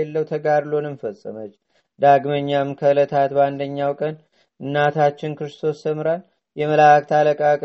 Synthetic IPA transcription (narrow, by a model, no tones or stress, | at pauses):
elːəwt̪ʰəɡaɾlo̞nɨnfəsʼːə̰mət͡ʃː | d̪aɡməɲːamnkʰəɨlət̪ʰat̪band̪əɲːawkʼən | ʔɨnːat̪ʰat͡ʃːɪnkɨɾɨst̪ʰo̞st̪ːʰəmɾan | jɛməlak̚t̪ʰaləkʼakʼ